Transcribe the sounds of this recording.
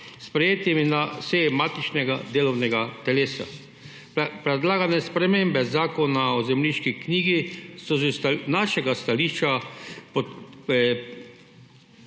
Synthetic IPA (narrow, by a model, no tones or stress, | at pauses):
spɾɛjeːt̪iminasɛjɛmat̪it͡ʃnɛɡad̪eːlɔwnɛɡat̪ɛleːsa̰ | pɾɛd̪laːɡanɛspɾɛmembɛzaːkɔnaɔzɛmliʃkikniːɡisɔzɛnaʃɛɡast̪aliːʃt͡ʃapɔ